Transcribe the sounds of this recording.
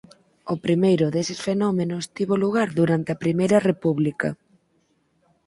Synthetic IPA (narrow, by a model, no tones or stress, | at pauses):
opɾimejɾʊðesɪsfenɔmenʊst̪iβoluɣaɾðuɾant̪eɐpɾimejɾɐrepuβlikɐ̰